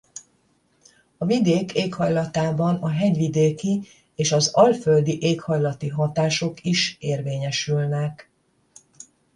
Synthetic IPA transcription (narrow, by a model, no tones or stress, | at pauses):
ɒvid̪eːkʰeːkhɒjlɒt̪aːbɒnɒɦɛɟʋid̪eːki | eːʃɒzɒlføld̪iʔeːkhɒjlɒt̪iɦɒt̪aːʃo̞kiʃeːrveːɲɛʃylnɛk